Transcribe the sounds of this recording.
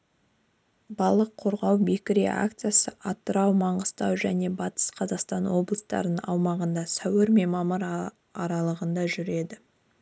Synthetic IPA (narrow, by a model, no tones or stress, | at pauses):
bɑlˠəqʰːo̞ɾʁɑwbe̞kʲɪɾḛa̰kt̪sɨjasəʔɑt̪ːəɾɑwmɑɴəst̪ɑwʒæne̞bɑt̪ə̥sqʰɑzɑqst̪ɑnwo̞blˠəst̪ɑ̰ɾənɑ̰wmɑʁənd̪ɑsæwɪɾme̞mɑməɾ | ɑɾɑlˠəʁənd̪ɑʒʏɾe̞d̪ɪ